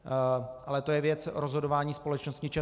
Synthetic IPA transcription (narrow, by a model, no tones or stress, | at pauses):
ʔalɛt̪o̞jɛvjɛt͡sɾozɦo̞dovaːɲiːspo̞lɛt͡ʃnost̪ɲɪt͡ʃɛ